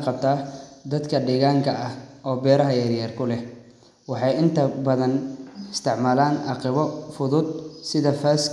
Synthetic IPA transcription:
qɑb̚t̪ʰaːd̪ɐd̪kʰɐɖɛːɣaːŋkʰɐɐhɔːbɛːɾɐɦɐjaɾjaːrkʰʊlɛ | wɑħɑjɪnt̪ʰɐbɐðɐnɪst̪ʰɪʕmaːlaːnʔɑqɪβɔfʊðʊd̪̚sɪðɐfaːs

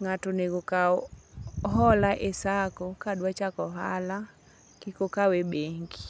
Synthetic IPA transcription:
ŋatoneɡoka | ɦɔlaʔesakokadwat͡ʃakɔɦala | kikokawebeŋɡi

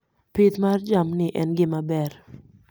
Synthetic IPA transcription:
pɪt̪mard͡ʒamnɪʔɛnɡɪmabɛr

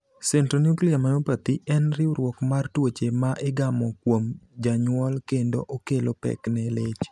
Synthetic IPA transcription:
sɛntronukliamanopat̪iɛnɾɪuɾwɔkmartwot͡ʃemaʔɪɡamɔkwomd͡ʒaɲwɔlkendo̰ʔokelopɛ̰knɛlet͡ʃ

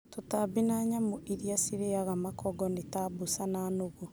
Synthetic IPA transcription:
totabinaɲamoʔiɾiasiɾeaɣamakɔɡɔnetabusanaːnoɣu

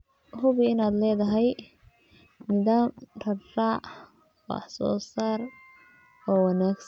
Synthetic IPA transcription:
hʊβɪɪnaːd̪lɛːðɐɦɛj | nɪðaːmrɐraːʔ | wɑ̰ħsɔ̰ːsaːr | ɔːwɑnaːɡs

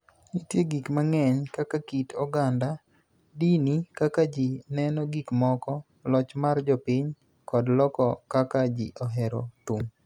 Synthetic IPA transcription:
nitjeɡikmaŋɛɲkakakitʰɔɡanda | dinikakad͡ʒinɛnɔɡikmɔkɔ | lɔt͡ʃmard͡ʒɔpɪɲ | kɔdlɔkɔkakad͡ʒḭʔɔɦɛɾɔ̰tum

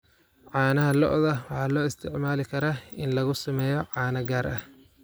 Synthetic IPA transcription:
ʕɑːnɐɦɐlɔ̰ʔðɐwɑħɑːlɔːɪst̪ʰɪʕmaːlɪkʰɐɾaːɪnlɐɣʊsɐmɛːjɔʕɑːnɐɡaːɾʔɐh

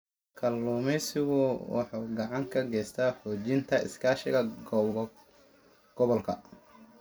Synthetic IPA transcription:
kʰɐlːɔːmɛsɪɣʊwɑ̰ħɑːɡɑʕɑŋkʰɐɡɛjst̪ʰaːħɔːt͡ʃɪnt̪ʰɐɪ̰skʰaːʃɪ̰ɣɐɡ | ɡ̥ɔβɔlkʰɐ

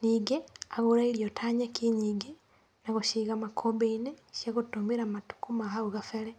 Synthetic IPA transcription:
niɡeaɣuɾaiɾjotʰaɲakiɲiɡe | naɣuʃiːɣamakʰobeineʃjaɣutumiɾamatu̥kumaɦauɣafele

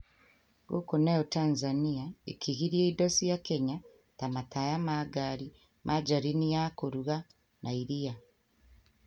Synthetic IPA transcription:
ɡokoneotaːnzaniaḛkiɣiɾieidosijakeɲa | tamatajamaɡaɾi | mʔad͡ʒaɾinijakoɾuɣa | nʔaiɾija

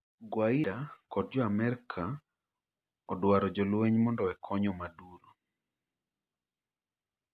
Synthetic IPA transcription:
ɡwaidakɔd̚d͡ʒɔamɛɾkʰa | ɔdwaɾɔd͡ʒɔlweɲmɔndɔɛkʰɔɲɔmaduɾo

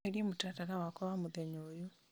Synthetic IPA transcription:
eljemutataɾawakoβamuðeɲoːjo

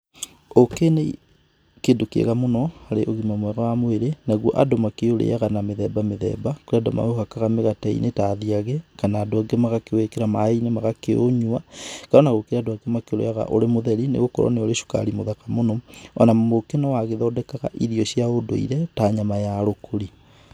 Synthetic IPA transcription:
okene | kedokḛɣamonɔaɾeʔoɣimamwɛɣawamoeɾenaɣwɔʔadomakeoɾḛjaɣanameðɛbameðɛ̰bakoɾeadɔma̰ohakaɣameɣataḭnʔetaðiaɣɛkanaːdoaɡemaɣakeoekeɾamainemaɣakeo̰ɲuakaɾɔnaɣokeɾeadoaɡemakeoɾḛjaɣa̰ʔoɾemoðɛɾinḛɣokɔɾɔ̰neoɾeʃu̥ka̰ɾimoðakamonɔɔnamokenɔwaɣeðɔdɛkaɣa̰ʔiðiɔʃjaodo̰ḭɾɛtaɲamajaɾokʰoɾi

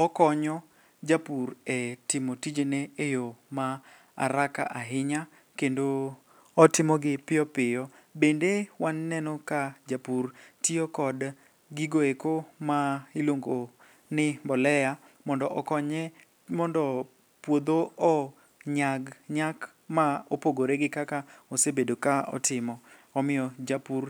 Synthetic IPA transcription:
ɔkɔɲɔ | d͡ʒapurɛtɪmotid͡ʒeneejoma | a̰ɾaka̰ʔaɦɪɲa | kendo | ɔtɪmɔɡɪpɪjɔpɪjɔ | bendewanːɛnɔkad͡ʒapurtiokɔd | ɡɪɡoekomailoŋɡo | nɪmbɔlɛja | mɔndɔʔɔkɔɲɛ | mɔndɔ | pwod̪oɔ | ɲaɡɲak | maopoɡoɾeɡɪkakaosebedokaɔ̰tɪmɔ | ɔmɪjɔd͡ʒapur

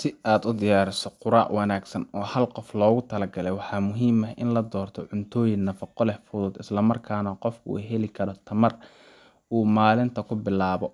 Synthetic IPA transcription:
sɪaːd̪ʊd̪ɪjaːɾɪsɔqʊɾa̰ːʕwɐnaːɡsɐnɔːhɐlqɔflɔːɣʊt̪ʰɐlɐɡɐlɛjwɑħɑːmʊɦiːmɐɦʔɪnlɐd̪ɔːrt̪ʰɔʕʊnt̪ʰɔːjɪnnːɐfɐqɔlɛħfʊðʊd̪ɪslɐmɐrkʰaːnɐqɔfkʰʊṵɦɛlɪkʰɐɾɔt̪ʰɐmɐr | ʔuːmaːlɪnt̪ʰɐkʰʊbɪlaːβɔ

